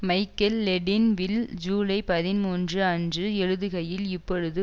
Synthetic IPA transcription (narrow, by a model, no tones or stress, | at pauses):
mɐɪkːɐlːɛɖɪnʋɪld͡ʒuːlɐɪpɐðɪnmuːndrɯɐndrɯɛɻɯðɯɣɐjɪlɪpːɔɻɯðɯ